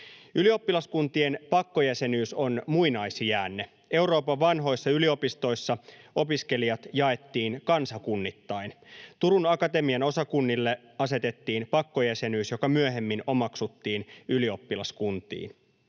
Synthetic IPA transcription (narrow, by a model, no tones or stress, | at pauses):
ylio̞pːilɑskunt̪ie̞npɑkːo̞jæse̞nyːso̞nmuinɑisijæːnːe | e̞wɾo̞ːpɑʋʋɑnɦo̞jsːɑylio̞pist̪o̞isːɑo̞piske̞liɑt̪jɑe̞t̪ːiːnkɑnsɑkunːit̪ːɑint̪uɾunɑkɑt̪e̞miɑno̞sɑkunːilːe | ɑse̞t̪e̞t̪ːiːnpɑkːo̞jæse̞nyːsjo̞kɑmyøɦe̞mːino̞mɑksut̪ːiːnylio̞pːilɑskunt̪ḭːn